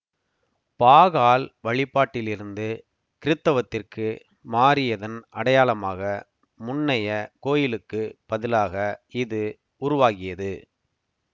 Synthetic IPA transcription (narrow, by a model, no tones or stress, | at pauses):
paːɣaːlʋɐɭɪpːaːʈːɪlɪɾɯnd̪ɯ | kɪɾɯt̪ːɐʋɐt̪ːɪrkɯ | maːɾɪjɐðɐnʔɐɽɐjaːlɐmaːɣɐ | mʊnːɐjɐkoːjɪlɯkːɯpɐðɪlaːɣɐɪðɯ | ʊɾʊʋaːɣɪjɐðɯ